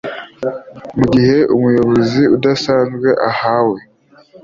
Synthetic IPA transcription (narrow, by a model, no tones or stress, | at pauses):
muɟihe̞ʔumujo̞βo̞ziudasaːnzɡwe̞ʔahawe